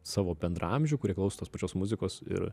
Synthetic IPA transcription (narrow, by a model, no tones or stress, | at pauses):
sɑːʋoːbʲɛnd̪ɾɐ̰ɐmʲʒʲʊkʊɾʲiɛklˠɐʊsot̪oːspɐt͡ʃʲoːsmʊzʲɪkoːsɪ̰ɾ